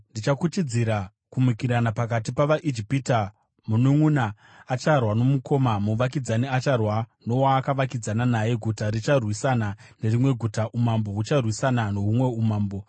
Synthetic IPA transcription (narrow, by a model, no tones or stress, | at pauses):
ndit͡ʃakut͡ʃid͡ziɾa | kumikiɾanapakat̬ipaʋaʔid͡ʒipita | munuŋunaː | t͡ʃarwano̞muko̞mamuʋak̬id͡zaniat͡ʃarwano̞waːkaʋakid͡zananaje̞ɡʱutaɾit͡ʃarwisanane̞rimwe̞ɡʱutaʔumambo̞ut͡ʃarwisanano̞ɦumwe̞umaːmbo̞